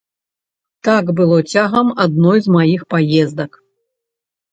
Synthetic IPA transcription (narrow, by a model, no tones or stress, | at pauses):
t̪aɡbɨlˠɔt͡sʲaɣɐmad̪̚nɔjzmajixpajɛzd̪ɐk